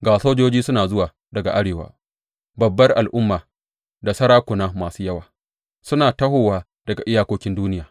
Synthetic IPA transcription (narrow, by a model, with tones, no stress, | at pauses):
ɡaː˨soː˦d͡ʒoː˦d͡ʒiː˦sʊ˦naː˨zʊ˦waː˨ | dɐ˨ɡa˨ʔa˦ɽeː˨wa̰ː˨ | bɐ˨bːɐ˦rʔa˨lʔʊ˦mːaː˨ | da˨sɐ˦ɾaː˦kʷʊ˨naː˦maː˨suː˦jɐ˦waː˨ | sʊ˦naː˨tɐ˦hoː˨waː˦ | d̥ɐ˨ɡa˨ʔɪ˦jaː˨kʷoː˦kʲɪ˦nduː˦nɪ˦jaː˨